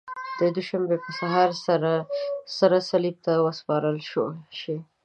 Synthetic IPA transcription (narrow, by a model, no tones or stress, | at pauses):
d̪̥əd̪uʃambepəsaɦɑɾsaɾasaɾasalib̚t̪awəspɑɾəlʃoʃi